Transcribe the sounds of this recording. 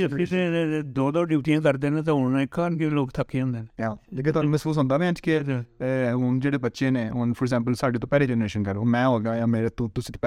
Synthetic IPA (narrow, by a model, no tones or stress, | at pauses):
ɪsẽed̪oːd̪ɔːɖiːʈijãːkəɾd̪eːnẽt̪̬ãɦʊnːaɪkːaːɾnkeloːkt̪ʰəkːeõːnd̪eːneːaːd͡ʒekeːt̪amɪsuːsɦõnd̪aːmɛ̃t͡ʃke | ɦʊnd͡ʒeːɽeːbətːʃẽːneːɦʊnfɔɾɡzɛ̃ːmp̬əlsaːɖeːt̪õːpɛːleːd͡ʒɛːnɾeːʃənkəɾoːmɛ̃ːɦoːɡajãːmeːɾet̪õːt̪ʊsĩːt̪ː